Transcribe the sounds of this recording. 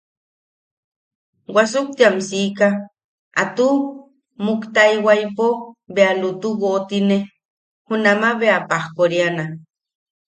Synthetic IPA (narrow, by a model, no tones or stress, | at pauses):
wasuk̚t̪iamsiːka | a̰t̪u | mukt̪aiwajpobealut̪uwot̪ine | hunamaβeapahkoɾiana